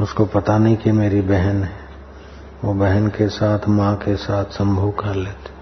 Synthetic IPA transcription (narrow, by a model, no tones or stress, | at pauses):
ʊskopɐt̪anĩkimeːɾibɛɦənɦɛ | ʋobɛɦənkesaːt̪ʰmãkesaːt̪ʰsɐ̃mbʱəwkɐɾleːt̪i̥